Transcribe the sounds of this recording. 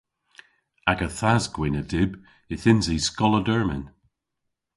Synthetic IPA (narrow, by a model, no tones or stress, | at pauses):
aɡəθazɡwɪnədɪb | ɪθɪnziskɔlˠədɜɹmɪ̰n